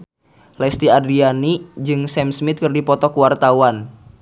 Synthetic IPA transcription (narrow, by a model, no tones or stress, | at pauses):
lɛst̪iadɾianid͡ʒɨŋsɛmsmit̪̚kɨrdipɔt̪ɔkuwart̪awan